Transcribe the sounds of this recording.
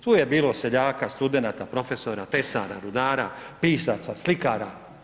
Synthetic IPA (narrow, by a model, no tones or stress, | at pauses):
t̪uːje̞biːlose̞ʎaːkast̪ud̪e̞nat̪apɾo̞fe̞soɾat̪esa̰ɾa̰ɾud̪aːɾa̰piːsat̪saslikaːɾa